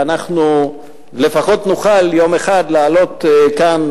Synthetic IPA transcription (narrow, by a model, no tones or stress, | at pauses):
anaχnu | le̞faχo̞t̪nuχaljo̞meχad̪laːlo̞t̪kan